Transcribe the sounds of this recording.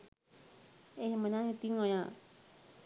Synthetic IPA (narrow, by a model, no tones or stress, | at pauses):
eɦmənãnit̪iŋɔ̃jã